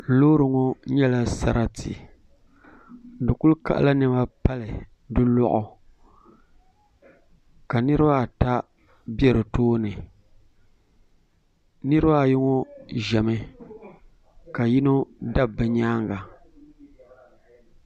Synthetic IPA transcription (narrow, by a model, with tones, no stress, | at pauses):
loː˦ɾɨ˨ŋo˦ɲɛ˦la˦sa̰˦ɾa˦tḭ˨ | n̩˨dɨ˨ku˦lka̰˦˨ʔla˦nɨ˨ma˦pa˦lɨ˨ | dɨ˦lɔ˦ʔʊ˨ | ka˨nɨ˦ɾɨ˦ba˦˨ta˦ | bjɛ˦ɾɨ˨toː˦nɨ˨ | nɨ˦ɾɨ˦ba˦˨ji˦ŋo˦ʒɛ˨mɨ˦ | ka˨ji˦no˦da˦bɨ˨ɲaː˦ŋɡa˨